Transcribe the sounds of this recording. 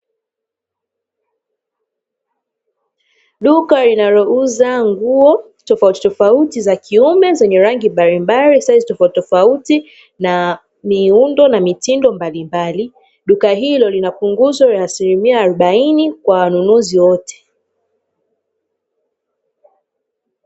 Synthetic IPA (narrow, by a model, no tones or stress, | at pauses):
ɗukalinaɾɔuzaŋɡuɔ | tɔfauti̥tɔfautizakʰiumɛzɛɲɛɾaŋɡimbaɾimbaɾisaizitɔfautitɔfauti | na | miundɔnamitindɔmbalimbali | ɗukaɦilɔlinapuŋɡuzwajaːsilimiaːɾuɓainikwawanunuziwɔtʰɛ̥